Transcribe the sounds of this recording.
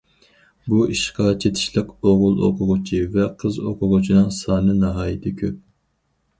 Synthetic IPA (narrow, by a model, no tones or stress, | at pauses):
buiʃqɑt͡ʃʰet̪ʰɪ̥ʃlɪqoʁʊlˠo̰qʰʊʁʊt͡ʃʰivɛqʰəzo̰qʰʊʁʊt͡ʃʰinɨŋsɑːnɨnɑɦɑːjit̪ʰɪkʲʰøp̚